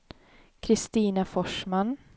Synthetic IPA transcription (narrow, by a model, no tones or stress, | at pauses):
kʰɾɪst̪iːnafɔʂman